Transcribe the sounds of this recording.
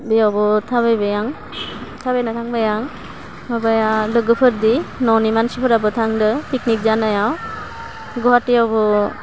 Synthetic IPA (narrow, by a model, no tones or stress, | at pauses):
bejawbɔtʰaβajbajaŋ | t̪ʰabajnatʰaŋbajaŋ | abajalɯɡɯpʰɯɾdinɔnimansipʰɯɾabɯtʰaŋdɯpiknik̚zanajaw | ɡɔɦatːijawbɔ